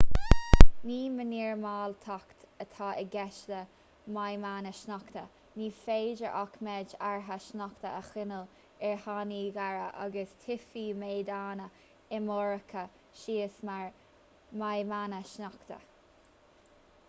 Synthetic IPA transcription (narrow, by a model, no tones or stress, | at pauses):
niːməniːɹmaːlt̪ʰakt̪ | ət̪ʰɑːʔəɡɛʃlə | majmanəʃnɔkt̪ə | niːfeːd͡ʒəʔakmɛd͡ʒaɹɦaʃnɔkt̪əʔəxɪnəl | ɛɹhaniːɡaɹə̰ʔa̰ɡəst̪ʰɪfiːmeːd̪aːnə | ɪmɔɹəkʰə | ʃiːəsmaɹ | majmanəʃnɔkt̪ə̰